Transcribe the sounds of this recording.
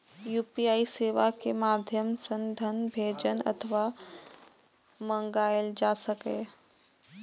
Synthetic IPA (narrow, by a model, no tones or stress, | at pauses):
juːpiaːiseːʋakemaːd̪ʱjəmsə̃nd̪ʱənbʱeːd͡ʒənɐ̰t̪ʰəʋaː | mə̃ŋɡaːeld͡ʒaːsəkeː